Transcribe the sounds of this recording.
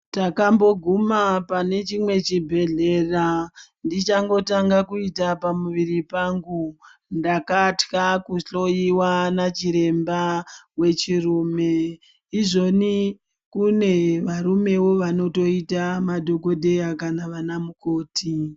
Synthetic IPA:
takambo̞ɡʱumapane̞t͡ʃimwe̞t͡ʃibʱe̞ɮe̞randit͡ʃaŋɡo̞taŋɡakuitapamuʋiɾipaŋɡundakatkakuɬo̞jiwanat͡ʃiɾe̞mbawe̞t͡ʃiruːme̞ː | ʐo̞ni | kune̞ʋaɾume̞wo̞ʋano̞to̞itamadʱo̞ko̞dʱe̞jakanaʋanamuko̞ːti

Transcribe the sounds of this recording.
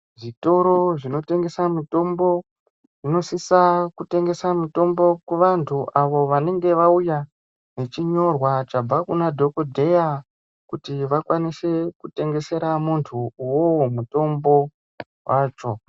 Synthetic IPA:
ʐito̞ɾo̞ʐino̞te̞ŋɡe̞samito̞mbo̞ | ʐino̞sisakute̞ŋɡe̞samito̞mbo̞kweʋantʰuʔaʋo̞ʋane̞ŋɡe̞ʋauja | ne̞t͡ʃiɲo̞rwat͡ʃabb͡vakunadʱo̞kodʱe̞ja | kutiʋakwanise̞kute̞ŋɡe̞se̞ɾamuntʰuuwomuto̞mbo̞ | wʔaːt͡ʃo̞

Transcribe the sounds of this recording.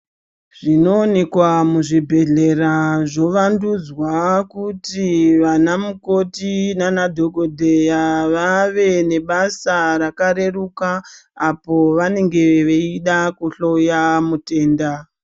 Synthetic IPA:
ʐ̥ino̞ːne̞kwamuʐibʱe̞ɮe̞raʐo̞ʋandud͡zwakutiʋanamuko̞tinanadʱo̞ɡʱo̞dʱejaʋaʋe̞ne̞ɓasaɾakaɾe̞rukaːpo̞ʋane̞ŋɡe̞ʋeiɗakuɬojamute̞ːnda

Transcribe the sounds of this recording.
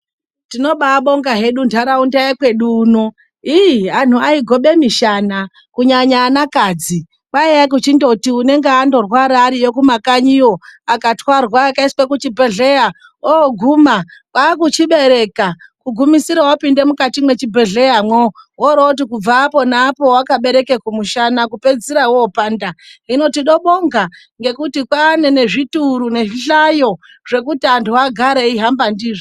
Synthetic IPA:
tino̞ɓaɓo̞ŋɡaɦe̞ɗundʰaɾaundaekwe̞ɗuːno | ian̤uaiɡʱo̞ɓe̞miʃana | kuɲaɲaːnakad͡zi | ɓaiak̬ut͡ʃindo̞tiune̞ŋɡeando̞rwaɾaːɾijokumakaɲio̞akatwarwaːkaiswekut͡ʃibʱe̞ɮe̞ja | oɡʱumakwaːkut͡ʃiɓe̞ɾe̞kakuɡʱumisiɾawapinde̞mukatimwe̞t͡ʃibʱe̞ɮe̞jamwowoɾout̬ikub͡vapo̞naːpo̞wakaɓe̞ɾe̞kekumuʃanakupe̞d͡ziɾawːpaːndaino̞tiɗo̞ɓoŋɡa | ŋɡe̞kutikwane̞ne̞ʐituɾune̞ʐiɬajo̞ | ʐe̞kutiantʰuaɡʱaɾeiɦambandiːʐi

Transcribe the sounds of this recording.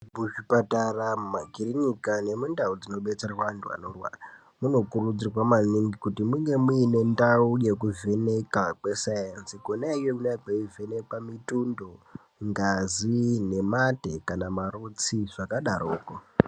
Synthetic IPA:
muʐipataramumaɡʱiriɲikane̞mundaud͡zino̞ɓe̞t͡serawantʰua̰norwa̰ːra | muno̞kurud͡zirwamaniŋɡikutimuŋɡe̞muine̞ndauje̞k̬uve̞ne̞kakwe̞sajansikonaijemunakeuve̞ne̞kamitundo̞ | ŋɡazine̞mate̞kanamarut͡siʐakaɗaɾoːko

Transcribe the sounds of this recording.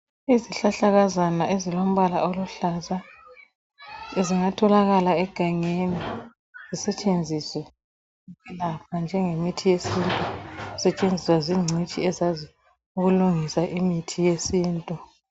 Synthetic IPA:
iziɬaɬaɣazanaezilom̩βalaoluɬaza | eziŋatʰɔlaɣalaɛɡ̥ʱaŋeni | z̥isɛt͡ʃʼend͡zʱiswɛ | kɛlap̚ʰand͡ʒʱɛŋemitʰijesintʼusɛt͡ʃʼend͡zʱiswaziŋ͡ǀʱit͡ʃʼiɛzazi | uɣuluŋisaʔimitʰijesiːntʼu

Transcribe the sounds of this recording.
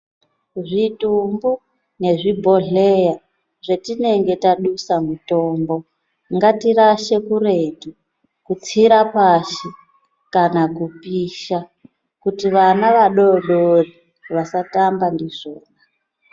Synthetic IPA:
ʐitumbu | ne̞ʐibʱo̞ɮeja | ʐetine̞ŋɡe̞taɗusamuto̞ːmbo̞ | ŋɡatiɾaʃe̞kure̞tu | kut͡siɾapaʃi | kanakupiʃa | kutiʋanaʋaɗo̞ɗori | ʋasatambandiʐoːna

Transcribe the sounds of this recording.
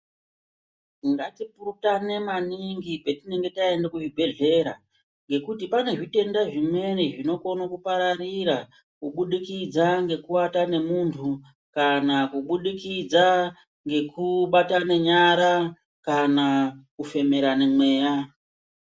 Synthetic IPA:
iŋɡatipurutane̞maniŋɡipetine̞ŋɡe̞taendakuʐibʱe̞ɮe̞ɾa | ŋɡe̞kutipane̞ʐite̞ndaʐimwe̞neʐino̞konokupaɾaɾiɾa | kuɓuɗikid͡zaŋɡe̞kuwatane̞muntʰu | kanakuɓuɗikid͡za | ŋɡe̞kuɓatane̞ɲaɾa | kanakufe̞me̞ɾanemwe̞ːja

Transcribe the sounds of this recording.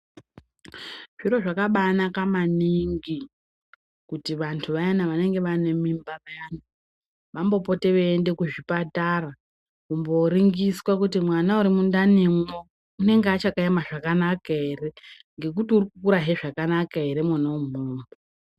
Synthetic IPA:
ʐ̥iɾo̞ʐakaɓanakamaniŋɡi | kutiʋantʰuʋajanaʋane̞ŋɡe̞ʋane̞mimbaʋajana | ʋambo̞po̞te̞ʋeːnde̞kuʐipatara | kumbo̞riŋɡiswakut̬imwanauɾimundanemo | une̞ŋɡeat͡ʃakaimaʐakanakaɦere̞ | ŋɡe̞kutiurikukuɾaɦeʐakanakae̞ɾe̞mwanaum̤oːmbo

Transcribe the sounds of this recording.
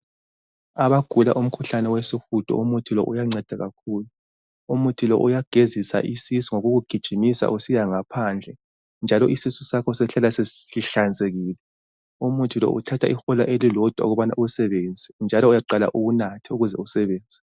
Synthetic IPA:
aβaɡ̥ʱulaʔum̩kʰuɬanɛwesixud̥ʱɔ̰umutʰilɔ̰ʔujaŋ͡ǀɛd̥ʱaɣakʰuːlu | umutʰilɔ̰ʔujaɡ̥ʱezisa̰ʔisisuŋoɣuɣuɡ̥ʱid̥ʒ̥ʱimisa̰ʔusijaŋapʰand͡ɮʱɛ | nd͡ʒʱalɔʔisisusakʰɔsɛɬalaseiɬand͡zʱeɣiːlɛ | umutʰilɔ̰ʔṵtʰatʰaʔixɔlaʔelilɔd̥ʱwa̰oɣuβana̰ʔusɛβend͡zʱind͡ʒʱalɔujaǃala̰ʔuɣunatʰiuɣuzɛ̰usɛβeːnd͡zʱɛ

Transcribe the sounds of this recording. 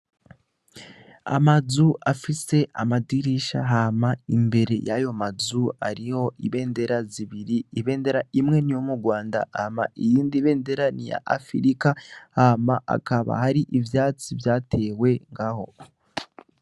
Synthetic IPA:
a̰mazuafise̞ʔamadiɾiʃa̰ɦamaimbe̞ɾe̞̰jajo̞mazuaɾiho̞iβe̞ːnde̞ɾaziβiɾiːβe̞ːnde̞ɾaimŋe̞nijo̞muɾɡwaːnda̰ama̰ʔijiːndiβe̞ːnde̞ɾanija̰ʔafḭɾikahamaʔa̰kaβa̰haɾiʔivjaːt͡sivjaːte̞we̞ŋɡaho̞

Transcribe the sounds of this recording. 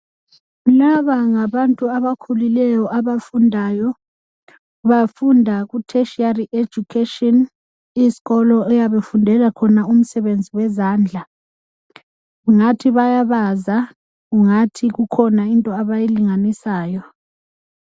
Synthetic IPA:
laβaŋaβantʼuaβakʰulilɛjɔʔaβafundʱaːjɔ | βafundʱaɣutʰɛʃiariʔed͡ʒ̥ʱukʰetʼɔn | isi̥ɣɔlɔɛjaβefundʱɛlakʰɔnaum̩sɛβend͡zʱiwɛzaːnd͡ɮʱa | ɣuŋatʰiβajaβaza | ɣuŋatʰiɣukʰɔnaintʼɔaβajiliŋanisaːjɔ

